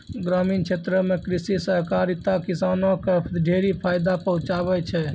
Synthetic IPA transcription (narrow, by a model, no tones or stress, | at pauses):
ɡɾaminkʰet̪ɾəmekɾisisəɦkaɾit̪akisaːnokepʰt̪ɖʱeɾipʰaːjd̪apəɦũt͡ʃabɛt͡ʃʰɛ